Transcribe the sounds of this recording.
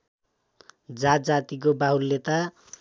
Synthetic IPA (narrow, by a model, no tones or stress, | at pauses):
d͡zat̪d͡zat̪ik̬obaɦulːet̪a